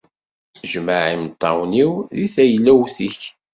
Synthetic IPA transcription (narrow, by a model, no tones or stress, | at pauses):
ʒmaʕimt̪ˤːɑ̰wniwðiθæjəlːæwθiç